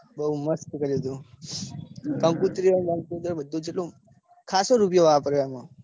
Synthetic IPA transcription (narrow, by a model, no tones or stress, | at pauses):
bəɦuməskkəɾiət̪ũ | kə̃ŋkut̪ɾiənkə̃ŋkut̪ɾəbəd̪ʱːũd͡ʒeʈlõ | kʰasoɾup̬joʋapəɾjoamã